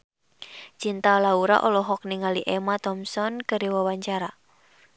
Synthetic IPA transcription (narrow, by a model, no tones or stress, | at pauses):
t͡ʃint̪alauɾa̰ʔɔlɔɦɔk̚niŋaliʔɛmat̪ɔmsɔnkəɾiwawaɲt͡ʃaɾa